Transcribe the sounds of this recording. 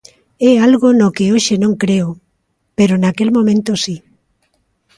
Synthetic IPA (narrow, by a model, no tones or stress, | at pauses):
ɛalɣonokeoʃenõŋkɾeo | peɾonakelmõmẽnt̪osi